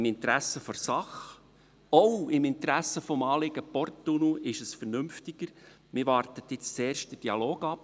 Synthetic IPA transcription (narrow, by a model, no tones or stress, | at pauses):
ɪmɪnt̪ɾæsəfoɾsɑχ | owɪmɪnt̪ɾæsəfɔmɑːlɪɡ̥əpɔrtːunuɪʃəsfəɾnʏmftɪɡ̥əɾ | mɪɾʋɑɾtət̪ɪt͡st͡seːrʃt̚d̥əd̥iɑloːɡɑp